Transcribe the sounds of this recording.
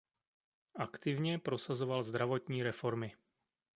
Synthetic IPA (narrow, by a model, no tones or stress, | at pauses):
akt̪ivɲɛpɾɔsazɔʋalzd̪ɾaʋɔt̪ɲiːɾɛfɔɾmi